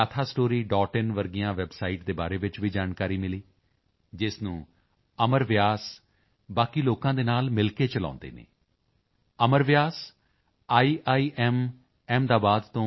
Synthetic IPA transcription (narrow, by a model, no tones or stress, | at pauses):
aːt̪ʰaːsʈoːɾiːɖɔːʈɪnʋəɾɡijãːʋɛbsaːiːʈd̪eːbaːɾeːʋɪt͡ʃʋiːd͡ʒaːnkaːɾiːmɪliː | d͡ʒɪsnũː | əməɾʋɪjaːs | baːkiːloːkãːd̪eːnaːlmɪlkeːt͡ʃəlã̰ːnd̪ḛːnḛː | əməɾʋɪjaːs | aːiːʔaːiːʔɛːm | ɛːmd̪aːbaːd̪t̪õː